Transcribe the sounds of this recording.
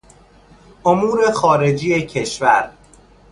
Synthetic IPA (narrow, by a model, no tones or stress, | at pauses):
ʔomuːɾe̞xɒːɾe̞d͡ʒiːecʰe̞ʃvæɾ